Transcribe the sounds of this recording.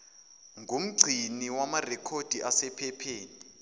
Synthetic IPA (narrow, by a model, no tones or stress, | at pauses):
ŋʱum̩ɡ͡ǀʱiniwamarɛkʰod̥ʱiʔasɛpʰɛpʰeːni